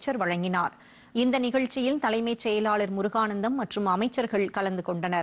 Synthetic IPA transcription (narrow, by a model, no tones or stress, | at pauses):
t͡ʃːɐɾʋɐɻɐŋɡɪnaːɾ | ɪnd̪ɐnɪɣɐɻt͡ʃːɪjɪlt̪ɐlɐɪmɐɪsɛjɐlaːɭɪɾmʊɾʊɣaːnɐnd̪ɐmːɐʈrɯmɐmɐɪt͡ʃːɐɾɣɐɭkɐlɐnd̪ɯkɔɳɖɐnɐɾ